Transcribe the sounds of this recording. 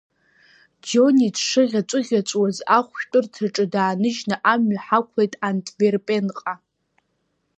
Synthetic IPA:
d͡ʒonidʂɨʁʲat͡ʃʷʼɨʁʲat͡ʃʷʼwazaχʷʃtʷʼʊrtʰaʈ͡ʂʼɨdaːnɨʒnaʔamɥħakʷʰlejtʼantʰʼverpʼe̞nqʼa

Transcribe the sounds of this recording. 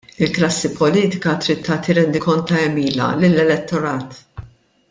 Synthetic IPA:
ɪlklɐsːipɔliːt̪ɪkɐt̪ɾɪt̪ːɐːt̪iɾɛnd̪ɪkɔnt̪ɐɛmiːlɐ̰lɪlːɛlɛt̪ːɔɾɐːt̪

